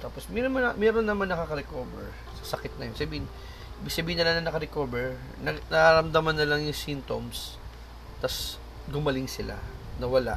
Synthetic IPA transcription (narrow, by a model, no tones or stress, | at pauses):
t̪aːposmɛomɐmɛɾonːɐmanːɐkakɐɾɛkoːvɛ̰ɹ | sɐ̥sɐkɪt̪̚nɐjonsɐbiːhɪn | iːbɪɡ̥sɐbiːhɪnɐlaŋnɐŋnɐkɐɾɛkoːbɛɹ | nɐɡnɐʔaɾɐmd̪amanːɐlaŋjʊŋsint̪oms | t̪ɐs | ɡʊmɐlɪŋsɪla̰nɐwɐla̰ʔ